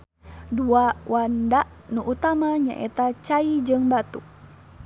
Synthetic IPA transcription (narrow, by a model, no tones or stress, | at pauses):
duawandaʔ | nuʔut̪amaɲa̰ʔɛ̰t̪at͡ʃaid͡ʒɨŋbat̪u